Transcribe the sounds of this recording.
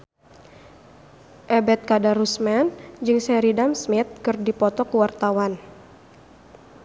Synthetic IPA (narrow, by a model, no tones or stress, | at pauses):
ʔɛbɛt̪̚kadaɾusmɛnd͡ʒɨŋsɛɾidamsmɪt̪̚kɨrdipɔt̪ɔkəwart̪awan